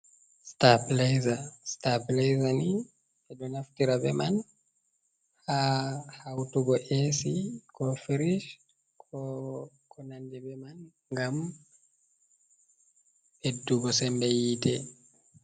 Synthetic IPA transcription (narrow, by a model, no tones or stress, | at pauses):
staplɛjzastaplɛjzani | ɛdɔnaftiɾabɛman | hahawtuɡɔʔesikɔfiɾiʃ | kʰɔ | kʰɔnandɛbɛman | ŋɡam | beduɡɔsɛmbɛjitɛ